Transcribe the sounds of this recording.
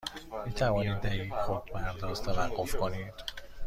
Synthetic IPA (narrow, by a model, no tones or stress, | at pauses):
miːt̪ʰævɒːnid̪æjiːxod̪bæɾd̪ɒːzt̪ʰævæɢːofkʰoniːd̪̥